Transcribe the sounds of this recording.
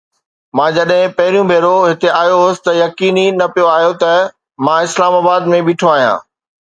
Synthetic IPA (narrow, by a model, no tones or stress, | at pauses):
mãːd͡ʑɐɗɦɪ̃pɐɦɪɾijũbʱeːɾoɦɪt̪eaːjoɦoːsɪ̥t̪ɐjɐkiːninɐpijoaːɦijot̪ɐ | mãɪslaːmaːbaːd̪mẽbiːʈʰoaːɦijã̰ː